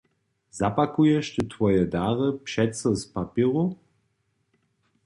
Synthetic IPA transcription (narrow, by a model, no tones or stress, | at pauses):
zapakujɛʃt̪ət̪vɔjɛdaːʁəpʃɛtsəspapiːʁu